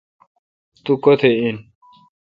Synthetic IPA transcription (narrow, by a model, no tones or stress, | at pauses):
t̪ukot̪ʰein